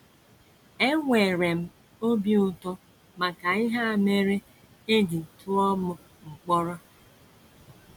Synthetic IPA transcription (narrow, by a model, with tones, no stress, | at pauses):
e˦ŋʷe˨ɾe˨m̩˦ | o˦bi˦ʊ˦tɔ˦ | ma˨ka˨ɪ˦ɦa˦a˨me˦ɾe˦ | e˦di˨tʰʊ˦ɔ˦mʊ˨ | ŋ͡m̩˨k͡pɔ˦ɾɔ˦